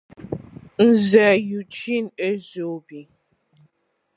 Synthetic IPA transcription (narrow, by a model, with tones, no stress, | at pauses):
n̩˦zɛ˨ju˨t͡ʃi˦˨ne˦zo˨bi˨